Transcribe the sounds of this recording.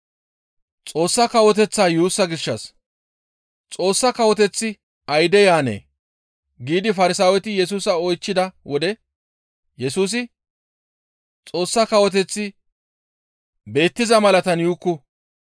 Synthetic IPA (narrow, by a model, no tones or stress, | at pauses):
t͡sʼo̞ːsːɐkɐwɔt̪ɛt͡sːaːjuːsːɐɡɪʃːɐs | t͡sʼo̞ːsːɐkɐwɔt̪ɛt͡sːɪ | ɐjd̪ɛjaːnḛː | ɡiːd̪ɪfɐɾɪsaːwɛt̪ɪjɛs̬uːsɐɔjt͡ʃːɪd̪ɐwɔd̪ɛ | jɛsuːs̬ɪ | t͡sʼo̞ːsːɐkɐwɔt̪̬ɛt͡sːɪ | be̞ːt̪ːɪzɐmɐlɐt̪ɐnjuːkːʊ